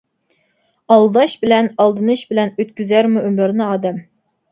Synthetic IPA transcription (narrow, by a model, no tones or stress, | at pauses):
ɑlˠd̪ɑʃbɪlɛnɑlˠd̪ɨnɨʃbɪlɛnøt̪̚kʲyzæɾmuʔymøɾnɨɑːd̪ɛm